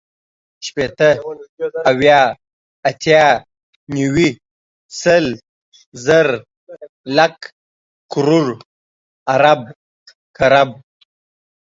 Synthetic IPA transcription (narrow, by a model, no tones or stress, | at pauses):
ʃpet̪ə | awjɑ | at̪ʰjɑ | niwi | səl | zəɾ | lak | kʊɾuɾ | aɾab̚ | kaɾab̚